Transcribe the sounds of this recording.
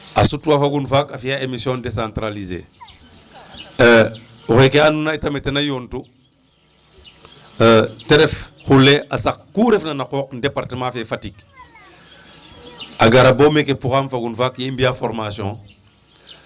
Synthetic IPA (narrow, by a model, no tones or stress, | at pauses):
asutuwafaɡunfakafijaemisjõːndesãntɾalizḛː | uxekeanunaitametenajontu | teɾɛfxulːeʔasakkuːɾefnanakoːk̚ndepaɾtəmãfefatik | aɡaɾaboːmekepɾuɣamfaɡunfaːkjiimbiafɔɾmasjɔ̃ː